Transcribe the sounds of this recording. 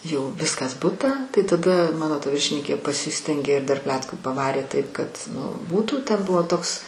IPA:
jɛʊ ˈʋʲɪskɐs ˈbʊtɑː tɐɪ tɐˈdɐ ˈmɑːnoː tɐ ˈʋʲɪrʲʃʲɪnʲɪŋʲkʲeː pɐˈsʲɪsʲtʲɛŋʲɡʲeː ɪr dɐr ˈpʲlʲæːtkuː pɐˈʋɑːrʲeː ˈtɐɪp kɐt ˈnʊ ˈbuːtuː ˈtʲɛn ˈbʊʋoː ˈtoːks

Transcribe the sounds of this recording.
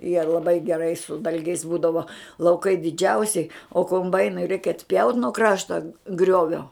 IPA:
jiɛ lˠɐˈbɐɪ ɡʲɛˈrɐɪ sʊ ˈdɐlʲɡʲɛɪs ˈbuːdɐʋoː lˠɐʊˈkɐɪ dʲɪˈd͡ʒʲɛʊsʲɛɪ oː koːmˈbɐɪnʊɪ rʲɛɪk ɐtʲˈpʲjɛʊt nuɔ ˈkrɑːʃtɐ ˈɡrʲoːʋʲoː

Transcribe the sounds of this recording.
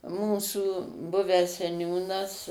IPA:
ˈmuːsuː ˈbʊʋʲæːs sʲɛˈnʲuːnɐs

